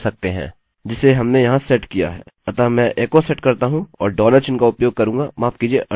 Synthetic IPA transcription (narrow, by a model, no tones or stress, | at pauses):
sɐk̚t̪eɦɛ̰̃ː | d͡ʒɪsːeɦɐmnejɐɦãsɛʈkija̰ɦɛ̰ːɐt̪amɛ̃ʔeːkosɛʈkɐɾt̪aɦũɔ̰ːɾɖɔːləɾt͡ʃɪnkaʊpjoːɡ̚kɐɾũːɡamaːfkiːd͡ʒieʔɐ